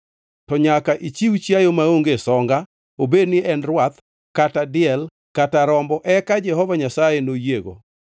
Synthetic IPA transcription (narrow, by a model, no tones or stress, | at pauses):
tɔɲakaʔit͡ʃiwt͡ʃjajomaoŋɡesɔŋɡa | obednɪɛnɾwat̪ | katadɪɛl | kataɾɔmbɔʔɛkad͡ʒɛɦɔvaɲasajenojeɡo̰